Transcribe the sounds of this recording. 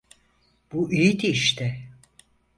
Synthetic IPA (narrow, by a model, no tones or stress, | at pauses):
b̥uʔijit̪ʰiʃt̪ʰɪ